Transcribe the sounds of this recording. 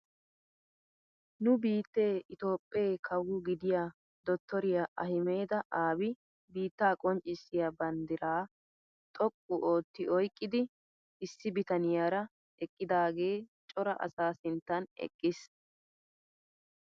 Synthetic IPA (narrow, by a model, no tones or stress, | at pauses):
nʊbiːt̪ːe̞ːɪt̪o̞ːpʼːeːkʰɐwːʊɡɪd̪ɪjaː | d̪ɔt̪ʰːɔɾɪjaʔɐhɪme̞ːd̪ɐʔaːbɪ | biːt̪ːaːkʼɔnt͡ʃʼːɪsːɪjabɐnd̪ɪɾaː | t̪ʼɔkʼːʊʔo̞ːt̪ːɪɔjkʼːɪd̪ɪ | ɪsːɪbɪt̪ɐnɪjaːɾɐ | ɛkʼːɪd̪aːɡe̞ːt͡ʃʼɔɾɐ̰ʔɐ̰saːsɪnt̪ːɐnɛ̰kʼːɪs